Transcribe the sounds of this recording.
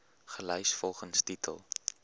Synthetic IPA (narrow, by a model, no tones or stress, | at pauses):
χəlœjsfɔlˠχənstitʰə̰lˠ